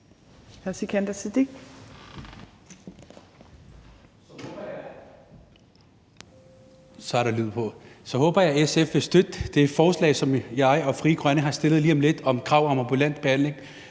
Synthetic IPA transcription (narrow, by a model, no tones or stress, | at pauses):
hæsikʰænd̥æsid̥eɡ̥ | sɒ̽æɐɾ̥ɑ̈lyð̰ˠpʰɒ̽sɒ̽ɦɔ̽ːb̥ɐjɑ̈æesefʋe̝sd̥ød̥d̥e̝̥fɒːslɛ̰ɪsɒ̽mjɑ̈ɪɒ̽fʁiːɡ̥ʁɶnəɦɑ̈sd̥e̝lð̞̩ˠliːɒmle̝d̥ɒ̽mkʰʁɑ̈ʊ̰ɒ̽mɑmb̥ulæn̰d̥̚b̥e̝hæn̰le̝ŋ